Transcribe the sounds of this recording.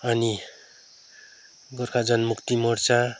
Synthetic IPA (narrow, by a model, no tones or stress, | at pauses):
ʌni | ɡʌrkʰad͡zʌnmukt̪imʌrt͡sa